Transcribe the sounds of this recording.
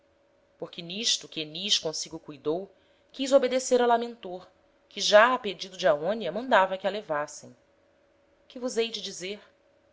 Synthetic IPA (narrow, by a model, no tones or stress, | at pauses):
poχkɪniʃt̪ʊkʲeniʃkõsiɡʊkujd̪ow | kizobed̪eseɾɐwlamẽnt̪oɾ | kɪʒaːped͡ʒid̪ʊd͡ʒɪaõniɐmɐ̃nd̪avɐkɪɐlevasḛ̃j̃ | kɪvuzejd͡ʒɪd͡ʒizeɾ